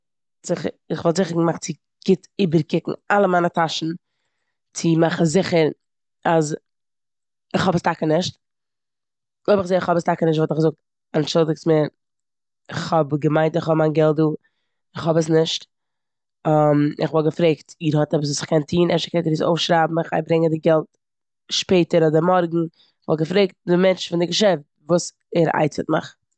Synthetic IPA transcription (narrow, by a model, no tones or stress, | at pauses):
zɪχə̰ɾɪχvɔlˠzɪχəɾɡəmaχt͡sɪ | ɡ̥ɪtiːbəɾkɪkŋ̩alˠəmaɪnətʰaʃn̩ | t͡sɪmaχn̩zɪχəɾ | az | ɪχhɔbəstʰakənɪʃt | oɪbɪχzeːɪχhɔbəstakənɪʃ̬tvɔtɪχɡzʊk̚t | anʃʊlˠdɪk̚smɪɾ | ɪχhɔbɡəmaɪntɪχhɔbmaɪnɡɛlˠt̚duː | ɪχhɔbəs̬nɪʃt | amɪ̰χvɔlˠɡəfɾeɪktiːɾhɔtɛbs̬sɪ̥χkɛntʰiːnʔɛʃkɛtiɾiːso̰ʊfʃɾaːbm̩ɪχa̰ɪbɾɪŋədɪɡɛlˠt | ʃpeɪtəɾɔdəmɔɾɡŋ̩ | ɪχvɔlˠɡəfɾeɪk̚t̚dɪmɛnt͡ʃfɪndɪɡəʃɛft̚vuːs | ɛɾa̰ɪt͡sətmɪ̰χ